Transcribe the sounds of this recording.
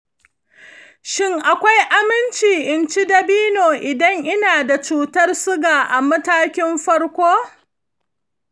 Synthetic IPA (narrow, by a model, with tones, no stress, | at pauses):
ʃɪ˦ŋʔa˨kʷa˦jʔa˦mɪ˦nt͡ʃiː˨ʔɪ˨nt͡ʃi˦dɐ˦˨biː˦noː˨ʔɪ˨dɐ˦ŋʔɪ˦naː˨da˨t͡ʃuː˦tɐ˦rsʊ˦ɡaː˨ʔa˨mɐ˦taː˦kʲɪ˦mɸɐ˦rkʷoː˦